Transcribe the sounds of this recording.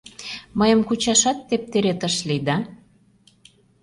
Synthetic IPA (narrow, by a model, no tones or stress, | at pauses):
məjə̆mkut͡ɕɑʃɑt̪ːep̚t̪eɾet̪əʃlid̪ɑ